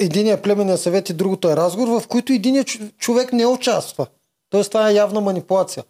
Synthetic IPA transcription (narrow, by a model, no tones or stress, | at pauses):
ɛd̪iniɛplʲɛmɛnijɐsɐvɛt̪id̪ɾuɡot̪oɛɾazɡovoɾvɐfkoit̪ʊɛd̪inijət͡ʃovɛknɛʊt͡ʃast̪və | t̪ɔɛst̪ovaɛjavnəmɐnipulˠat̪sijə